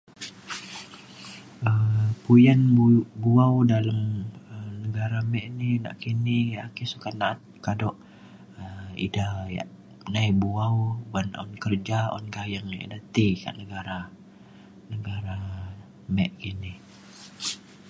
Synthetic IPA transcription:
ʔəmpujanbuawdalamənəɡaɾamɛʔnina̰ʔkiniakisukanaat̪̚kadɔʔ | əḭdahja̰ʔ | najbuawɡanɔ̰nkərd͡ʒaɔ̰nɡajaŋja̰ʔdat̪ika̰ʔnəɡaɾa | nəɡaɾa | mɛʔkini

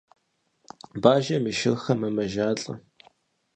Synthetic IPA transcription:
baːʒɐmiʃɪrxɐmɐmɐʒaːɬʼɐ̰

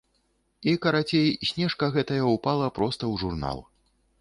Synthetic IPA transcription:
ikɐɾat͡sʲejsʲnʲɛʂkɐɣɛt̪ɐjɐupalˠɐpɾɔst̪ɐwʐurna̰lˠ

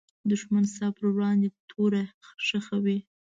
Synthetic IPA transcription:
d̪ʊʒmansɑpəɾwɽɑnd̪et̪ʰoɾaʂəxawi

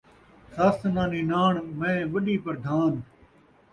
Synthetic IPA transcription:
saːst̪nãːniːnaːɳmẽːʋəɗiːpəɾd̪ʱaːn

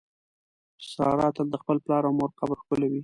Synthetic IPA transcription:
sɑ̰ɾɑt̪əld̪əxpəlplɑɾawmoɾqabɾxkʊlawi

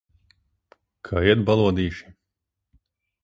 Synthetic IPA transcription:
kʰaːiɛt̪̚balˠuɔd̪iːʃi̥

